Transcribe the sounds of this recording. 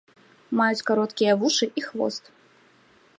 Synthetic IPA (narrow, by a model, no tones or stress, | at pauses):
majut͡sʲkaɾɔt̪kʲijɐvuʂɨʔixvɔ̰st̪